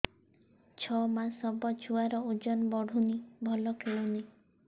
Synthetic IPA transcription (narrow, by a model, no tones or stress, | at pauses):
t͡ʃʰɔmasɔbɔt͡ʃʰuaɾɔud͡ʒɔnbɔɽʱunibʱɔlɔkʰeɭuni